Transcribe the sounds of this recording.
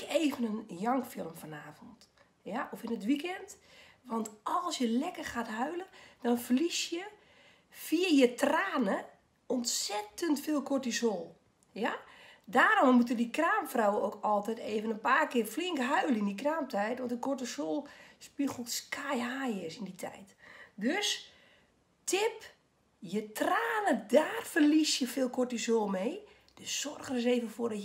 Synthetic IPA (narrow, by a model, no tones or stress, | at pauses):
keːvənənjɑŋkfɪlˠəmfɔnaːfɔnt | jaʔɔfənət̬ʋikɛnt | ʋɔntɔlˠsjəlɛkərxaːtɦœɥlənd̥ɔnfəlisjə | fiəjətraːnə | ɔntsɛtəntfɪːlˠkortisolˠ | jadaːɾɔmːutədikraːmfrawəokɔlˠtɛjteːvənənpaːrkɪːrfliŋkɦœɥləindikraːmtɛjtʋɔntəkɔtəsoːlˠspixskʰajhaːɪsinditʰɛ̰jtdøs | tɪp | jətraːnədaːrfərlisjəfɪːlˠkɔtisoːlˠmeː | d̥əssɔrɣənɪs̬eːvənfʊːrdɔ